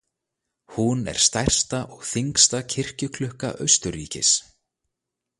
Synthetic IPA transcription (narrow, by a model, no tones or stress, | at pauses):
hunɛ̰ɾ̥st̪ajr̥st̪aʔɔɣθiŋkst̪acʰɪr̥cʏkʰlʏhka̰ʔœ̰ɥst̪ʏɾiːcɪ̰s